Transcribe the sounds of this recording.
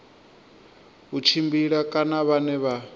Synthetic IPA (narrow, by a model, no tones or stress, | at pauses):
ut͡ʃʰimbiɺakʼanaβanɛβa